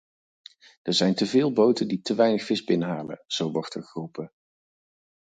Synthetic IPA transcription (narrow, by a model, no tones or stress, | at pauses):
əɹzɛjntəvɪːlˠbowtənditəʋɛjnəχfɪzbɪnəɦaːlə̰z̥owʋɑɹtəχrupə